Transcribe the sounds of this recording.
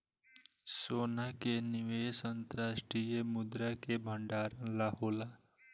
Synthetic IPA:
soːnakenɪʋeːsənt̪əɾaːʃʈɾijemʊd̪ɾakebʱə̃ɳɖaːɾənlaɦoːlaː

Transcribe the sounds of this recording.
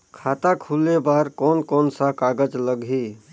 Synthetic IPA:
kʰaːt̪akʰulebaːɾkɔːnkɔːnsakaːɡəd͡ʒləɡɦiː

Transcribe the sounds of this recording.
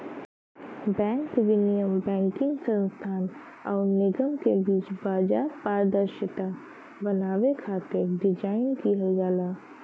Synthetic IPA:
bɛ̃ːŋkʋɪnijəmbɛ̃ːŋkɪ̃ŋɡsə̃nst̪ʰaːn | ɔːɾnɪɡəmkebiːt͡ʃbaːd͡ʒaːɾpaːɾd̪əɾʃɪt̪a | bɐnaːʋekʰaːt̪ɪɖɪd͡ʒaːɪnkiɦəlɡaːlaː

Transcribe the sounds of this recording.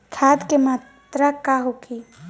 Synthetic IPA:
kʰaːd̪kemat̪ɾəkaɦokʰi

